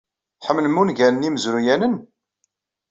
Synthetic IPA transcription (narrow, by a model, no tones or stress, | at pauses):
ħəmnəmunʝænniməzɾujænən